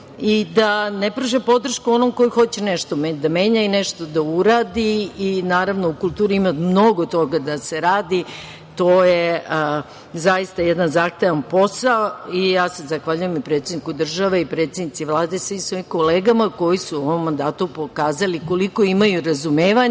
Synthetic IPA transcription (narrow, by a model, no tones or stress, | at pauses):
id̪anepɾoʒepo̞d̪r̩ʃkuonomko̞jixo̞t͡ɕeneʃt̪omed̪ame̞ːɲaineʃt̪o̞d̪auɾaːd̪iinaːɾaʋno̞ukulˠt̪uːɾiimamno̞ɡot̪o̞ɡad̪aseɾaːd̪i | t̪o̞ːje | zaist̪ajed̪anzaxt̪eʋanpo̞saoijaːsezaxʋaʎujemipɾet̪sed̪nikud̪r̩ʒaʋeipɾe̞t̪sed̪nit̪siʋlˠaːd̪esʋisʋo̞ːimkoleːɡamako̞jisuoʋomːand̪aːt̪upokaːzaliko̞liko̞imajuɾazumeːʋaɲ